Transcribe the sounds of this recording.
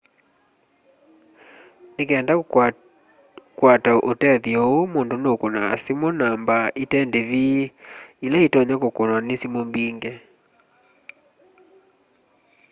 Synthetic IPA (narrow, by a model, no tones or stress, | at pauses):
nekɛːnda | kwataʔotɛðjɔomondonokona̰simonambaʔitɛndeβiilaitɔɲakokonwanesimombiŋɡɛ